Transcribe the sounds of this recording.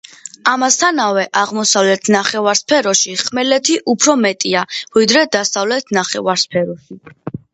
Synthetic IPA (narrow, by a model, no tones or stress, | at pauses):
amast̪ʰanavɛʔaʁmɔsavlɛt̪ʰnaχɛvaɾspʰɛɾɔʃiχmɛlɛt̪ʰiʔupʰɾɔmɛt̪ʼiavid̪ɾɛd̪asavlɛt̪ʰnaχɛvaɾspʰɛɾɔʃi